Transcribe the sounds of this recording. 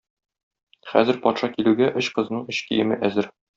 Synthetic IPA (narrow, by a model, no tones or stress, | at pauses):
χæ̰zɘ̆ɾpɒt̪ʃɑkilʉɡæʔɵɕqɤ̆znɤɴɵɕkijɘ̆mɘʔæzɘɾ